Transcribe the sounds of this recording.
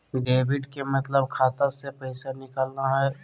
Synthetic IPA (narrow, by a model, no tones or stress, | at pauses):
ɖeːbɪɖkemɐt̪ləbkʰaːt̪asepɛɪsanɪkəlnaɦɛː